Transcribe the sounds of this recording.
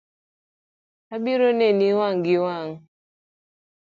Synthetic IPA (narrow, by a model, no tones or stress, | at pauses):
abiɾoneniwaŋɡiwaŋ